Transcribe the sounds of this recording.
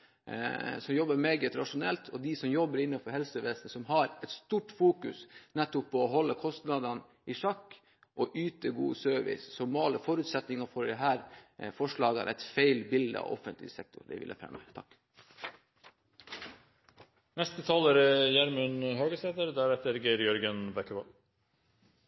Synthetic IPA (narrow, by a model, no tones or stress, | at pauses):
sɔmjɔbəɾmeːɡət̪ɾɑʂʊnɛ̰lt̪ʰɔd̪ɪsɔmjɔbːəɾɪnːɑfɔɾhɛlsəʋeːsnəsɔmɦɑɾɛt̪st̪uːʈfuːkʉsnɛt̪ːʊpʰːɔɔɦɔlːəkʰɔst̪nɑd̪ɑn | ʔɪʂɑkː | ʔɔʔyːt̪əɡṵːsøːʋɪ̰ssɔmɑːləfɔɾʉt̪sɛt̪nɪŋɑfɔɖɛɦæːɾfɔʂɭɑːɡə̰nʔæ̰ɪt̪feɪlbɪld̪ə̰ɑ̰ʔɔ̰fənt̪lɪ̰sɛk̚t̪ʰʊɾɖɛ̰ʋɪ̰lːɛ̰fɾɛ̰mːə̰t̪ʰɑ̰kː | nɛst̪ət̪ʰɑːləɾəjæɾmʉnhøːɡəsɛt̪əɾd̪æɾɛt̪ːəɾɡeɾjœɾɡənbækəʋɑl